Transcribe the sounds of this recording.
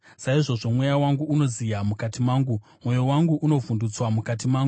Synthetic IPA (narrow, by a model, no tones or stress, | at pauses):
saiʐo̞ʐo̞mwe̞jawaŋɡuːno̞zijamukatimaːŋɡu | mwo̞jo̞waŋɡuʔuno̞vundut͡swamukatimaːŋɡu